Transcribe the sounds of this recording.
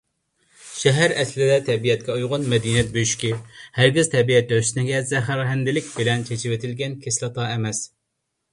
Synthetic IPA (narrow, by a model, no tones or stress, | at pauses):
ʃɛɦæɾɛslɪd̪ɛt̪ʰɛbijɛt̪̚kʲɛujʁʊnmɛd̪inijɛt̪̚bøjyʃkʲihæɾɡʲiz̥t̪ʰɛbiɛt̪̚d̪øsnɪɡʲɛzɛɦæɾɦɛnd̪ɪlɪkʲbɪlɛnt͡ʃʰet͡ʃʰiwet̪ʰɪlɡʲɛnkʲʰeslˠɨt̪ʰɑːɛmɛs